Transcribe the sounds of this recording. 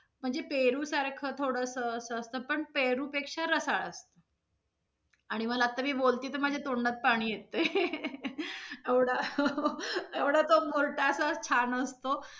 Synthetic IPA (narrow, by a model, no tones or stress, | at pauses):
m̤əɳd͡zepeɾuːsaɾkʰət̪ʰoɽəsəːsəːst̪əpəɳpeɾuːpekʂaɾəsaɭəst̪ə | aɽ̃iməlaːt̪ːamiːbolt̪iːt̪əɾmad͡ʑʱet̪oɳɖat̪̚paɽ̃iːjet̪ej | eʋɽa | eʋɽ̤at̪omoɾʈasət͡ɕʰanəst̪o